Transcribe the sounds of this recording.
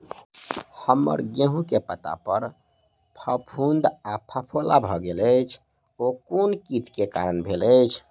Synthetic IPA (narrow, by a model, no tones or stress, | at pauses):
həmːə̰ɾɡeɦũkepət̪a̰pəɾ | pʰəpʰund̪apʰəpʰolabʱɔɡelət͡ʃʰ | okonkit̪keka̰ɾənbʱeləjt͡ʃʰ